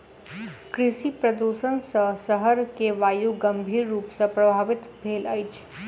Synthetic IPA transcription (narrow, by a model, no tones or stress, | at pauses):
kɾɪʃipɾəd̪uʃənsə̃səɦəɾkeʋaːjuɡəmbʱiːɾːuːpsə̃pɾɐbʱaːʋɪt̪bʱeːləjt͡ʃʰ